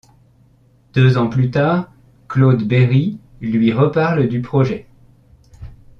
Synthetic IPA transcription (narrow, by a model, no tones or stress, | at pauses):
d̪̥øzɑ̃plyt̪aːʁ | klod̪beʁi | lɥiʁəpaʁld̪ypχɔʒɛ